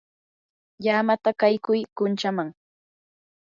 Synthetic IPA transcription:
jaːmat̪akajkʊjkʊnt͡ʃamaŋ

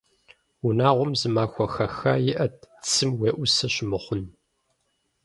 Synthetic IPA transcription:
unaːʁʷʊmzɨmaːxʷɐxɐxaːjɪʔɐt̚t͡sʰɨmweːʔʷʊsɐɕɪmɨχʷʊn

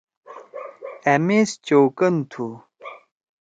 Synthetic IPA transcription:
emest͡ɕoːkənt̪ʰu

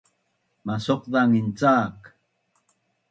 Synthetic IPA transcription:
masoqðaŋɪnt͡saːk

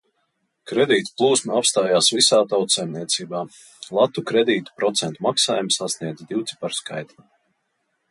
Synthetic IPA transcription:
kɾɛd̪iːt̪plˠuːsmuapst̪aːjaːsvisaːt̪awt̪sɛjmniɛt̪siːbaː | lˠat̪ukɾɛd̪iːt̪u̥pɾɔt̪sɛnt̪umaksa̰ːjumsasniɛd̪zd̪iwt̪si̥paɾska̰jt̪la

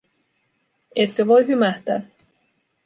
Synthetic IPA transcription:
et̪køʋojɦymæht̪æ̰ː

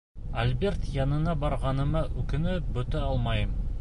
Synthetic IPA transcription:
alʲbe̞rt̪jɑnənɑbɑɾʁɑnə̆mɑʔɵkɪ̆nɘbɵt̪ɘɑlˠmɑjəm

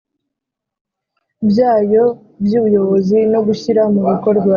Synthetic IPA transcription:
bjaːjo̞ | bjuːujo̞βo̞zino̞ɡuçiɾamuβiko̞ɾɡwa

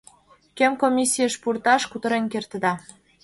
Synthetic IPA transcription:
kemkomʲisʲijəʃpurt̪ɑʃkut̪ə̆ɾenkert̪ə̆d̪ɑ

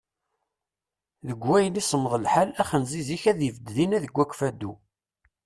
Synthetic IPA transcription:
ðəɡʷːæjənisˤəmðˤəlħalæχənziziçæðivəd̪ðinæðəɡʷːækʷfæd̪ːu

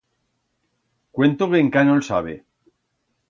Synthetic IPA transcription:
kwent̪oβeŋkanolsaβe

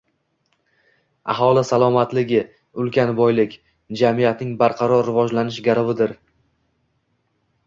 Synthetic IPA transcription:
a̰ɦɒlˠɪsalˠɒmat̪lɪɡʲɪ | ʊlˠkʲanbɒjlɪkʲ | d͡ʒamijat̪nɪŋbaɾqʰɑɾɒɾːɪvɒd͡ʒlanɪʃɡʲaɾɪvɪd̪ɪɾ

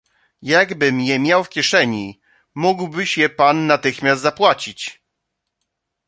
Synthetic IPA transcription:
jaɡbɘmjɛmʲjawfkʲɛʂɛɲi | muɡwbɘɕjɛpanːat̪ɘxmʲjast̪zapwat͡ɕit͡ɕ

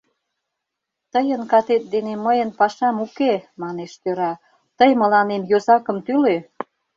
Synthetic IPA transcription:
t̪əjənkɑt̪et̪̚d̪eneməjənpɑʃɑmukemɑneʃt̪øɾɑ | t̪əjmə̆lɑnemjozɑkə̆mt̪yle

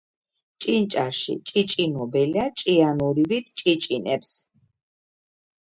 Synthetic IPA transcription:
t͡ʃʼint͡ʃʼaɾʃḭt͡ʃʼit͡ʃʼinɔbɛliat͡ʃʼianuɾivit̪ʰt͡ʃʼit͡ʃʼinɛps

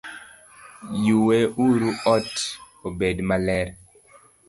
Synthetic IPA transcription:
juweuɾuɔt | obedmalɛɾ

